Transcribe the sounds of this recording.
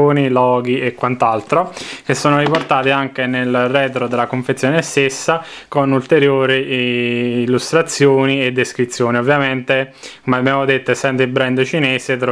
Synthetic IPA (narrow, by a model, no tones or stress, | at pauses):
oːnilɔːɡiekːwant̪alt̪ɾok̟esːoːnoɾiport̪aːt̪iaŋk̟enelrɛːt̪̬ɾod̪elːakoɱfet̪sːjoːnest̪esːa | konult̪eɾjoːɾiː | lːust̪ɾat̪sːjoːnied̪ːeskɾit̪sːjoːniovːjament̪ekomeabːjaːmod̪et̪ːoesɛnt̪ilbɾɛnd̪t͡ʃineːset̪ːɾ